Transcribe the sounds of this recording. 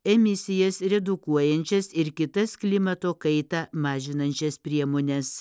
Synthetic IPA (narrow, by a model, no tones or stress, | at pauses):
ɛmʲɪsʲɪjɛsɾʲɛd̪ʊkuɔjɛnʲt͡ʃʲɛsɪɾkʲɪt̪ɐsklʲɪmɐt̪oːkɐɪt̪ɑːmɑːʒʲɪnɐnʲt͡ʃʲɛspʲɾʲiɛmoːnʲɛs